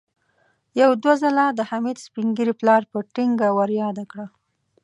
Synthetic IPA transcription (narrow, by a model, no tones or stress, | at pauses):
jawd̪wazəlad̪əhamid̪spiŋɡiɾiplɑɾpəʈiŋɡawaɾjɑd̪akɽa